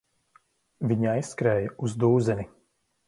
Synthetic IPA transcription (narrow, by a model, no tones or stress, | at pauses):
vʲiɲajsːkɾɛːjɐuzd̪uːzɛni